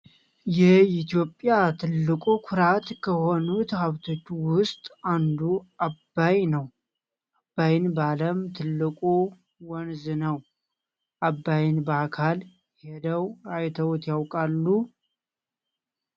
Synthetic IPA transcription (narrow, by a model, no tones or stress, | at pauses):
jɛit̪ijo̞pʼːjat̪ʰɨlːɨkʼukʰʊɾat̪kʰəho̞nut̪ʰhaβt̪ʰo̞t͡ʃːuwʊst̪ʼand̪uabːajnəw | ʔabːajɪnbaləmt̪ʰɨlːɨkʼu | wɔnzɨnəw | ʔabːajɪnbəakʰal | hed̪əwajt̪ʰəwt̪jawkʼalːu